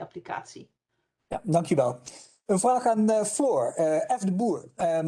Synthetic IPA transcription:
ɑplika̰ːtsḭ | ja̰dɑŋkyʋɛlˠ | ənvraːχaːnv̥oːɹɛvdəbuːɹə

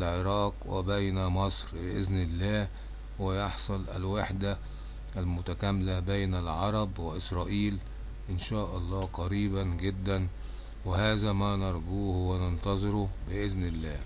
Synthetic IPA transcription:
lʕeɾˤɑːqwḛbæjnæmɑsˤɾbɪʔɪznɪlːæː | wejɑħsˤɑlʔæ̰lwaħd̪æ | ʔælmʊt̪ækæmlæbejnælʕɑɾˤɑbweʔɪsɾˤɑːʔiːl | ʔɪnʃæːʔɑlˤːɑːqɑɾiːbænɡed̪ːæn | wehæːzæmæːnɑɾˤɡuːhʊwːænent̪ɑzˤɨɾobɪʔɪznɪlːæː

